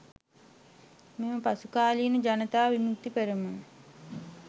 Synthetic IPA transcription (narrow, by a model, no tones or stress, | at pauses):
meməpasukaːlinəd͡ʒanət̪aːʋimukt̪ːipəɾəmə